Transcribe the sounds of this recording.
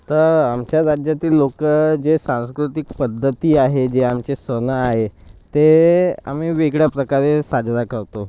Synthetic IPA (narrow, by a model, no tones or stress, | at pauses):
t̪əɾamt͡ɕjaɾad͡ʑjat̪iːlːokəd͡ʑesãw̃skɾut̪ikpəd̪ʱːət̪iːaɦed͡ʑeamt͡ɕesʋənaaɦet̪ea̰m̤iːʋeɡɽjapɾəkaɾesad͡ʑd̪akəɾt̪o